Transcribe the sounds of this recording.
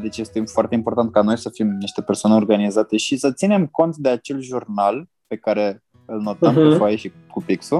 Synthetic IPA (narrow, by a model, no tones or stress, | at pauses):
d̪et͡ʃeest̪efoart̪eimpo̞rt̪ant̪̚kano̞jsəfimniʃt̪e̞pe̞rsoaneo̞rɡanizat̪e̞ʃisət̪sine̞mko̞nt̪d̪e̞at͡ʃe̞lʒurnal | pe̞kaɾe̞ | ɨlno̞t̪əmkufajeʃi | kupiksu